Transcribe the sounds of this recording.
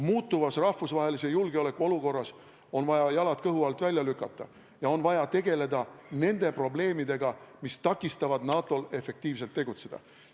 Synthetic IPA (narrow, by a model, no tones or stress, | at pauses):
muːt̪ːˑuvɑsrɑhfusvɑːɦe̞lise̞julɡ̥eo̞le̞kːˑuo̞luko̞rːɑs | o̞nvɑjɑjɑlɑt̪̚kɤɦuɑlt̪ˑvælʲjɑlykːˑɑt̪ːˑɑ | jɑo̞nvɑjɑt̪e̞ɡe̞le̞d̪ɑne̞nd̪̥e̞pro̞ble̞ːmid̪e̞ɡ̥ɑmist̪ɑkːˑist̪ɑvɑd̪nɑːt̪ːˑo̞le̞fˑe̞k̚t̪iːvs̬e̞lt̪ːe̞ɡut̪se̞d̪̥ɑ̰